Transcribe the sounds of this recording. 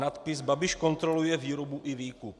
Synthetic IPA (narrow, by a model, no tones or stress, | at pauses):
nat̪pɪsbabɪʃko̞nt̪ɾolujɛviːɾobuʔɪviːkup